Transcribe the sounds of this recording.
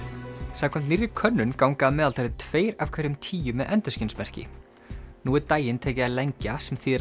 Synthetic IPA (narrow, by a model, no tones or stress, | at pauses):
saːkʰɛnt̪nirjɪkʰœnːʏnkawŋkaːmɛːðalʰaɾɪt̪ʰv̥eːjɾafkʰvɛɾʏmt̪ʰiːjʏmɛðʔɛnt̪ʏ̥scɪnsmɛr̥cɪ̰ | nuːɛɾt̪aːjɪnt̪ʰeːjcɪaleɲcasɛmθiːɛ